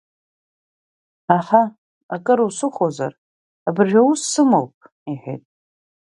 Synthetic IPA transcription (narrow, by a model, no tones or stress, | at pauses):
aχa | akʼɨɾusɨχʷoza̰r | abɨrʒʲᶣawusːɨmowpʼ | iħʷᶣḛtʼ